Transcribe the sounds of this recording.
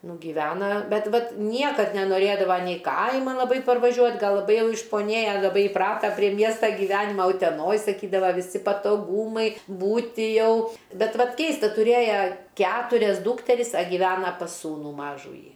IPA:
nʊ ɡʲɪˈʋʲæːnɐ ˈbʲɛt ˈʋɐt ˈnʲiɛkɐt nʲɛnoːˈrʲeːdɐʋɐ nʲɛɪ ˈkɐɪmɐn lˠɐˈbɐɪ pɐrʋɐˈʒʲuɔtʲ ˈɡɐlˠ lˠɐˈbɐɪ ˈjɛʊ ɪʃpoːˈnʲeːjɛ lˠɐˈbɐɪ ɪˈprɑːtɐ pʲrʲiɛ ˈmʲiɛstɑː ɡʲiːˈʋʲæːnʲɪmɐ ʊtʲɛˈnoːj sɐˈkʲiːdɐʋɐ ʋʲɪˈsʲɪ pɐtoːˈɡuːmɐɪ ˈbuːtʲɪ ˈjɛʊ ˈbʲɛt ˈʋɐt ˈkʲɛɪstɐ tʊˈrʲeːjɛ ˈkʲæːtʊrʲɛs ˈduːktʲɛrʲɪs ɐ ɡʲɪˈʋʲæːnɐ pɐs ˈsuːnuː ˈmɑːʒuːjiː

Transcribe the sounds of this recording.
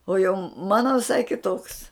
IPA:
oː jɛʊ ˈmɑːnoː ʋʲɪˈsɐɪ kʲɪˈtoːks

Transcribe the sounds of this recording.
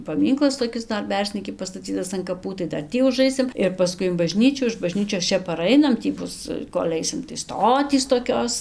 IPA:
pɐˈmʲiːŋklˠɐs toːˈkʲɪs ˈdɐr ˈbʲɛrʲzʲnʲiːkʲɪ pɐstɐˈt͡sʲiːtɐs ɐn kɐˈpuː tɐɪ ˈdɐr ˈtʲiː ʊˈʒɐɪsʲɪm ɪr pɐˈskʊɪ ɪn bɐˈʒʲnʲiːt͡ʃʲuː ɪʃ bɐˈʒʲnʲiːt͡ʃʲoːs ˈt͡ʃʲɛ pɐˈrɐɪnɐm ˈtʲiː ˈbʊs koːlʲ ˈɐɪsʲɪm tɐɪ ˈstoːtʲiːs toːˈkʲoːs

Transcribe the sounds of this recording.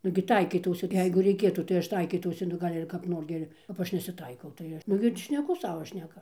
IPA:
ˈnʊɡʲɪ ˈtɐɪkʲiːtɐʊsʲɪ ˈjɛɪɡʊ rʲɛɪˈkʲeːtuː tɐɪ ˈɐʃ ˈtɐɪkʲiːtɐʊsʲɪ nʊ ˈɡɐlʲ ɪr kɐp ˈnoːr ɡʲɪ ɪr kɐp ˈɐʃ nʲɛsʲɪˈtɐɪkɐʊ tɐɪ ˈɐʃ ˈnʊɡʲɪ tʲɪ ʃʲnʲɛˈkʊ ˈsɑːʋoː ˈʃʲnʲæːkɐ

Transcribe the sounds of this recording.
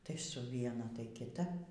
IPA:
tɐɪ sʊ ˈʋʲiɛnɐ tɐɪ kʲɪˈtɐ

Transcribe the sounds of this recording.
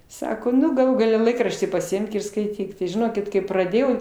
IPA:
ˈsɑːkoː ˈnʊ ɡɐˈlˠuː ɡɐˈlʲɛ ˈlˠɐɪkrɐʃʲtʲiː pɐsʲɪˈɪmk ɪr skɐɪˈtʲiːk tɐɪ ʒʲɪˈnoːkʲɪt kɐɪ prɐˈdʲeːjɛʊ

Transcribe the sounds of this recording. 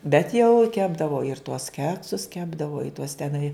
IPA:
bʲɛt jɛʊ ˈkʲæːbdɐʋoː ɪr tuɔs ˈkʲæːksʊs ˈkʲæːbdɐʋoː ɪ tuɔs tʲɛˈnɐɪ

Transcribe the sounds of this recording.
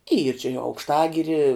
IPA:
iːr t͡ʃʲɪ ɪ ɐʊkʃˈtɑːɡʲɪrʲɪ

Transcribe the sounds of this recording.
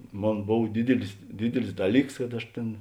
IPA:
ˈmoːn ˈboːw ˈdʲɪdʲɪlʲɪs ˈdʲɪdʲɪlʲɪs ˈdɑːˌlʲiːks kɐt ˈɐʃ ˈtʲeːn

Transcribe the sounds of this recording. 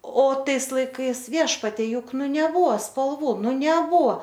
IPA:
oː ˈtɐɪs lˠɐɪˈkɐɪs ˈʋʲiɛʃpɐtʲiɛ ˈjʊk ˈnʊ nʲɛˈbʊʋoː spɐlˠˈʋuː ˈnʊ nʲɛˈbʊʋoː

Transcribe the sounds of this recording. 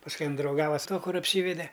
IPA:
pɐsˈkʊɪ ˈɪn drɐʊˈɡɑːʋɐ sʊ ˈtuɔ ˈkʊr ɐpʲˈsʲiːʋʲɛdʲɛ

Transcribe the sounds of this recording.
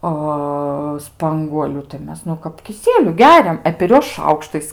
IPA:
ˈɐ ˈspɐŋɡuɔlʲʊ tɐɪ ˈmʲɛs nʊ kɐp kʲɪˈsʲiɛlʲʊ ˈɡʲæːrʲɛm ɛ pʲɛr ˈjuɔs ˈʃɐʊkʃtɐɪs

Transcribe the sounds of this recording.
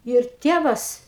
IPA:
jɛʊ ɪr ˈtʲeːʋɐs

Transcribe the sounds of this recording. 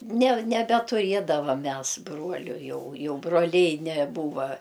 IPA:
nʲɛ nʲɛbʲɛtʊˈrʲiɛdɐʋɐm ˈmʲɛs ˈbruɔlʲʊ ˈjɛʊ ˈjɛʊ broːˈlʲɛɪ nʲɛˈbuːʋɐ

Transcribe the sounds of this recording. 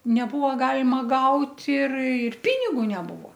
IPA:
nʲɛˈbʊʋoː ˈɡɑːlʲɪmɐ ˈɡɐʊtʲ ɪr ɪr ˈpʲɪnʲɪɡʊ nʲɛˈbʊʋoː

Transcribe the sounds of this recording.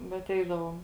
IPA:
ˈbʲɛt ˈɛɪdɐʋoːm

